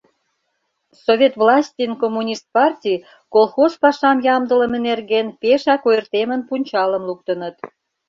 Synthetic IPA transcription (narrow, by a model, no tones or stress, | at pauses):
sovʲet̪vlɑsʲtʲinkomːunʲist̪̚pɑrtʲij | kolˠxospɑʃɑmjɑmd̪ə̆lə̆menerɣenpeʃɑkojərt̪emənpunʲt͡ɕɑləmlukt̪ənət̪